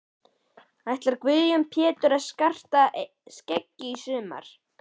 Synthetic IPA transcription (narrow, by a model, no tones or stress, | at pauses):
ajht̪laɾkvʏðjʏmpʰjɛːt̪ʏɾaðskar̥t̪a | scɛcːɪisʏːma̰ɾ̥